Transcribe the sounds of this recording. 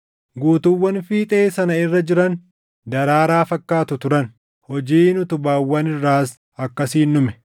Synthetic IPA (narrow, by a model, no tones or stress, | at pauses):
ɡuːt̪ʊwːɐnfiːt̪ʼeːsɐnɐɪrːɐd͡ʒɪɾɐn | d̪ɐɾaːɾaːfɐkːaːt̪ʊt̪ʊɾɐn | hɔd͡ʒiːnʊt̪ʊbaːwːɐnɪrːaːs | ɐkːɐsiːnːʊmɛ̥